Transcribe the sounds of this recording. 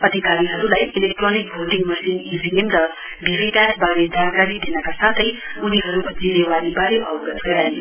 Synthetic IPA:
ʌd̪ʱikaɾiɦʌɾulajilek̚ʈronik̚bʱoʈiŋmʌsinid͡ziemɾʌ | bʱibikasbaɾed͡zankaɾid̪inʌkasat̪ʰʌjuniɦʌɾud͡zimewanibaɾebʱʌwɡʌsɡʌɾajn

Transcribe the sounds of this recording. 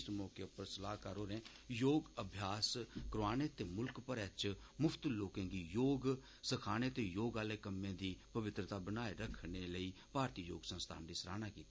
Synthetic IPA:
smɔːkepəɾsəlaːɦkaɾoːɾẽː | joːɡəbʱjaːskɾoaːneːt̪eːmʊlkpəɾɛt͡ʃ | mʊpʰt̪loːkẽːɡiːjoːɡ | səkʰaːɽ̃eːt̪eːjoːɡaːleːkəmːẽːd̪iːpəʋɪt̪ɾət̪aːbənaːeɾəkʰɳeːləiːpaːɾt̪iːjo̰ːɡsə̃nst̪ʰa̰ːndiːsəɾa̰ːnaːkiːt̪aː

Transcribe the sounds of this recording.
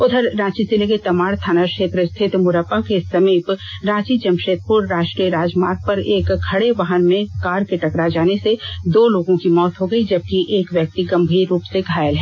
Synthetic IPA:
ʊd̪ʱəɾɾãːt͡ʃisɪleket̪ɐmaːɽt̪ʰaːnakʃeːt̪ɾəst̪ʰɪt̪mʊɾəpːakesɐmiːpɾãːt͡ʃit͡ʃɐmʃeːt̪̚ʰpʊɾɾaːʃʈɾiəɾaːd͡ʒmaːɾɡ̚pɐɾeːkkʰɐɽeʋaːɦənmẽkaːɾkeʈɐkɾad͡ʒaːnesed̪oːloːɡõkimɔːt̪ɦoɡəid͡ʒɐb̚kiʔeːkʋwjɐk̚t̪iɡɐ̃mbʱiːɾːuːpseɡʱaːjəlɦɛ̃ː

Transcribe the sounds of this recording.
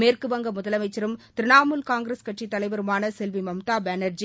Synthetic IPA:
meːrkɯʋɐŋɡɐmʊðɐlɐmɐɪt͡ʃːɐɾɯmt̪ɪɾɪnaːmɯlkaːŋɡɾɐskɐʈʂit̪ːɐlɐɪʋɐɾɯmaːnɐsɛlʋimɐmt̪aːbɛnɐɾd͡ʒi

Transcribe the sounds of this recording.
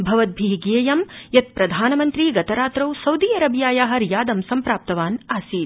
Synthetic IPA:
bʱɐʋɐt̪̚bʱiːɡijɐjɐmjɐt̪̚pɾɐd̪ʱaːnɐmɐnt̪ɾiːɡɐt̪ɐɾaːt̪ɾɐwsɐwd̪iːɐɾɐbjaːjaːɦɐɾjaːd̪ɐmsɐmpɾaːp̚t̪ɐʋaːnaːsiːt̪

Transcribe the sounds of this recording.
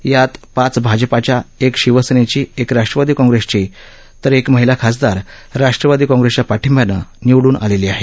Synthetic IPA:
jat̪pãt͡sbʱad͡ʑpat͡ɕjaekɕiʋəsnet͡ɕiːekɾaʂʈɾəʋad̪iːkɔ̃ŋɡɾest͡ɕi | t̪əɾekməɦilakʰas̬d̪aɾ | ɾaʂʈɾəʋad̪iːkɔ̃ŋɡɾest͡ɕapaʈʰimjanə̰niʋɽuːnʔa̰leliːaɦe

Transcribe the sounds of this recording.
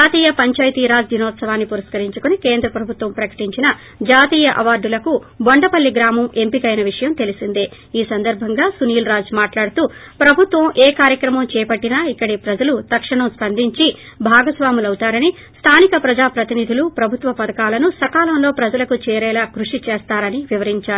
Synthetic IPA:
d͡ʒaːt̪iːjɐpɐɲt͡ʃaːjt̪iːɾaːd͡ʒd̪ʱinɔːt̪sɐʋaːnːipuɾɐskɐɾiɲt͡ʃukunikeːnd̪ɾɐpɾɐbʱut̪ʋɐmpɾɐkɐ̥ʈiɲt͡ʃinɐ | d͡ʒaːt̪iːjɐʔɐʋaːɾɖulɐku | boɳɖɐpɐlːiɡɾaːmɐme̞mpikɐjnɐʋiʂɐjɐmt̪e̞lisind̪eː | iːsɐnd̪ɐɾbʱɐŋɡaːsuniːlɾaːd͡ʒmaːʈlaːɽut̪uː | pɾɐbʱut̪ʋɐmʔeːkaːɾjɐkɾɐmɐmt͡ʃɛːpɐʈːinaːikːɐɽipɾɐd͡ʒɐlut̪ɐkʂɐɳɐmspɐnd̪ʱiɲt͡ʃi | bʱaːɡɐsʋaːmulɐwut̪aːɾɐni | st̪ʰaːnikɐpɾɐd͡ʒaːpɾɐt̪inid̪ʱulupɾɐbʱut̪ʋɐpɐd̪ɐkaːlɐnusɐkaːlɐmlo̞ːpɾɐd͡ʒɐlɐkut͡ʃɛːɾɛːlaːkɾuʂit͡ʃeːst̪aːɾɐniʋiʋɐɾiɲt͡ʃaːɾu

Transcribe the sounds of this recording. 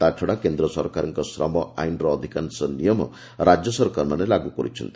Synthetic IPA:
t̪at͡ʃʰɔɽakend̪ɾɔsɔɾkaɾɔŋkɔsɾɔmɔa̰jnɾɔːd̪ʱikansɔnːijɔmɔ̰ | ɾad͡ʒjɔsɔɾkaɾmanelaɡukɔɾit͡ʃʰɔ̰nt̪i̥

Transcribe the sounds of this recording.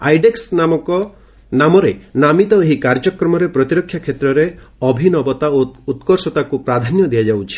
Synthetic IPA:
ajɖeksnamɔkɔ | namɔɾenamit̪ɔeɦikaɾd͡ʒɔkɾɔmɔɾepɾɔt̪iɾɔkʰːjakʰːet̪ɾɔɾe | ɔbʱinɔbɔt̪aout̪kɔɾsɔt̪akupɾad̪ʱanjɔd̪ijad͡ʒawt͡ʃʰi̥

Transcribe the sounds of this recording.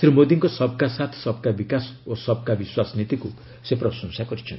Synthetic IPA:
sɾimod̪iŋkɔsʌb̚kasat̪ʰsʌbkabikasosʌbkabiswasnit̪iku | sepɾʌsɔŋsakɔɾit͡ʃʰʌn

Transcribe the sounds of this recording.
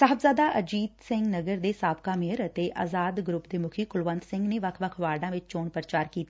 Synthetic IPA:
saɦəbzaːd̪aːʔəd͡ʒiːd̪sɪ̃ŋɡnəɡəɾd̪eːsaːpkaːmeəɾət̪eːʔa̰ːzaːd̪ɡɾʊpd̪eːmʊkʰiːkʊlʋə̃nd̪sɪ̃ŋɡneːʋəkʰʋəkʰʋaːɾɖ̪ãːʋɪt͡ʃt͡ʃoːɳpəɾət͡ʃaːɾkiːt̪a

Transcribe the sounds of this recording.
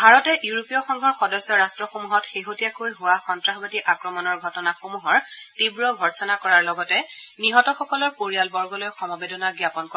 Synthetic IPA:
bʱaɹɔtɛʔjuɹopiɔxɔŋɡʱɔɹxɔdɔsɔɹastɹɔxomuɦɔtxeɦotijakojɦʊwaxɔntɹaɦbatiʔakɹɔmɔnɔɹɡʱɔtɔnaxomuɦɔɹtibɹɔɡʱɔɹsɔnakɔɹaɹlɔɡɔtɛniɦɔtɔxɔkɔlɔɹpoɹijalbɔɹɡɔlojxɔmɔbedɔnaɡɹjapɔnkɔ

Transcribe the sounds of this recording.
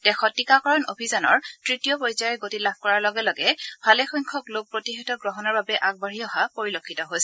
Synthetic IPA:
d̥ɛxɔtːikakɔɹɔnobʱizɔnɔ̰ɹtɹitijɔpɔɹizaɹɛɡotilab̥̚ʰʱkɔɹaɹlɔɡɛlɔɡɛbʱalɛxɔjŋkʰɔklok̚pɹotiɦɛtɔɡɹɔɦɔnɔɹbabɛʔaɡ̚baɹiɔɦapoɹilokʰːitɔɦojsɛ

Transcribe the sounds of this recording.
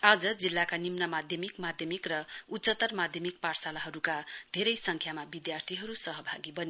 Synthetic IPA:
ad͡zʌd͡zilːakanimnʌmad̪ʱjʌmikmad̪ʱjʌmikrʌutːsʌt̪ʌrmad̪ʱjʌmik̚parsalaɦʌɾukad̪ʱeɾʌjsʌŋkʰjamabid̪jart̪ʰiɦʌɾusʌɦʌbʱaɡibʌni

